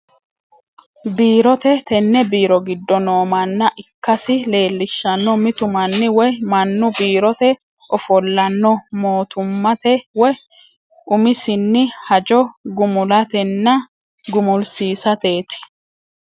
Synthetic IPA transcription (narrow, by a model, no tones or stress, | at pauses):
biːɾɔt̪ɛt̪ɛnːɛbiːɾɔɡɪd̪ːɔno̞ːmɐnːɐʔɪkːɐsɪle̞ːlːɪʃːɐnːɔmɪt̪ʊmɐnːɪwɔjmɐnːʊbiːɾɔt̪ɛ | ʔɔfɔlːɐnːɔmo̞ːt̪ʊmːɐt̪ɛwɔj | ʔʊmɪsɪnːɪhɐd͡ʒɔɡʊmʊlɐt̪ɛnːɐ | ɡʊmʊlsiːsɐt̪e̞ːt̪ɪ̥